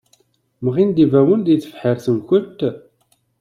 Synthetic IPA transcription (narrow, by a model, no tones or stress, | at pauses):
məʁind̪ivæwənd̪jθə̥fħəɾθəmçʷət̪